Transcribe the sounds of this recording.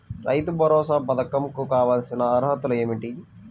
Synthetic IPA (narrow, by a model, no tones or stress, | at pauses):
ɾʔɐ̰jt̪ubʱɐɾɔːsaːpɐd̪ɐkɐmkukaːʋaːlsinɐːɾɦɐt̪uleːmiʈi